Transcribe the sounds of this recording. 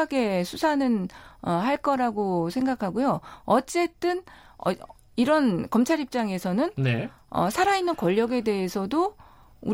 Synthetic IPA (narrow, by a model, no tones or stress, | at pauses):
ɡe̞sʰusʰanɯnʌɦaɭk͈ʌɾaɡosʰe̞ŋɡakʰaɡojoʌt͡ɕ͈e̞t͈ɯnʌ̰ | iɾʌnkʌmt͡ɕʰaɾip̚t͡ɕ͈aŋe̞sʰʌnɯnne | ʌ̰sʰaɾainːɯnkʌʎːʌɡe̞de̞ɦesʰʌdo | u